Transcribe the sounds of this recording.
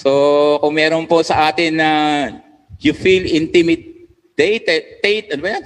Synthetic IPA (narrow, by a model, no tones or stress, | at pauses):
sokʊŋmɛːɾonposɐʔaːt̪ɪnːɐ | jʊfilɪnt̪ɪmɪd̪̚ | d̪̥ejt̪ɛt̪ːejt̪ʔɐnʊbɐɲan